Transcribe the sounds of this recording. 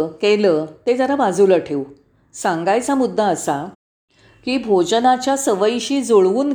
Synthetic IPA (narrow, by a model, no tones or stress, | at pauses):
kelət̪ed͡zaɾabad͡zuləʈʰeu | sãŋɡajt͡samud̪ʱːaːsa | kiːbʱod͡ʑənat͡ɕjasəʋəjɕiːd͡zoɭʋuːn